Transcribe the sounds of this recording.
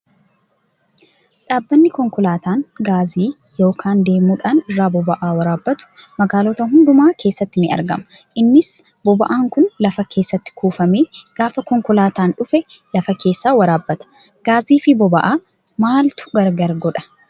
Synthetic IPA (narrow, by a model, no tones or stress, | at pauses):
ᶑaːbːɐnːɪkɔŋkʊlaːt̪aːnɡaːziː | jo̞ːkʰaːnd̪e̞ːmuːᶑaːnɪrːaːbɔbɐʔaːwɐɾaːbːɐt̪ʊ̥mɐɡaːlɔt̪ɐɦʊnd̪ʊmaːkʰe̞ːsːɐt̪ːɪnɪɐ̰ɾɡɐ̰mɐ | ʔɪnːɪs | bɔbɐ̰ʔaːŋkʊnlɐfɐkʰe̞ːsːɐt̪ːɪ̥kuːfɐmeːɡ̥aːfɐkɔŋkʊlaːt̪aːnᶑʊfɛ | lɐfɐke̞ːsːaːwɐɾaːbːɐt̪ɐ̥ | ɡ̥aːziːfɪbɔbɐʔaː | maːlt̪ʊ̥ɡɐɾɡɐɾɡɔᶑɐ̥